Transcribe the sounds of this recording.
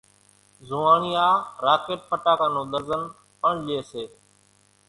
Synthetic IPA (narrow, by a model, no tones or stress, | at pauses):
zʊːaːɳijaːɾaːkeːʈ̚pʰəʈaːkãːnõːɗ̪əɾzən | əɳɗeːseː